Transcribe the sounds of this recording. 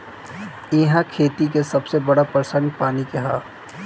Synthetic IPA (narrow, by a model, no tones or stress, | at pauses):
ɪɦãkʰeːt̪ik̬esɐbsebɐɽapɾəsənpaːnikeɦaː